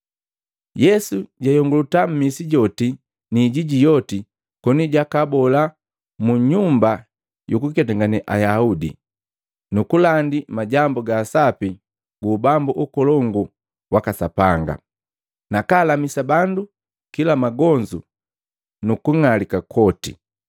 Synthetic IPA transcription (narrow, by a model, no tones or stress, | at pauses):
jɛsuɟajɔŋɡulutam̩misiɟɔti | niɟiɟijɔti | kɔniɟakabɔla | muɲumba | jukukɛtaŋɡanɛʔa̰jaudḭ | nukulandimaɟambuɡaːsapi | ɡubambuʔukɔlɔŋɡu | wakasapaŋɡa̰ | nakaːlamisabandu | kilamaɡɔɲd͡ʒu | nukuŋalikakʰɔtḭ